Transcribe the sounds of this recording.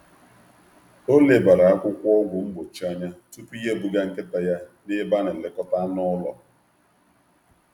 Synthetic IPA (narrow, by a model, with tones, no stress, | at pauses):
o˦le˨ba˨ɾa˨a˦kʷʊ˦kʷɔ˦ɡʷʊ˨m̩˦ɡ͡bo˨t͡ʃi˦a˦ɲa˦tu˦pi˦je˦bu˨ɡa˦ŋ̩˨kɪ˦ta˨ja˦nɪ˦ba˦ne˨le˦kɔ˦ta˦nɔ˦lɔ̰˨